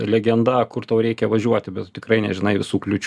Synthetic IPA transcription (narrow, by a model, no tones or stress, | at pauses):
lʲɛɡʲɛnd̪ɐkʊrt̪ɐʊɾʲɛɪkʲɛʋɐʒʲuɔt̪ʲɪbʲɛt̪t̪ʲɪkɾɐɪnʲɛ̰ʒʲɪnɐɪʋʲɪsuːklʲʊt͡ʃʲ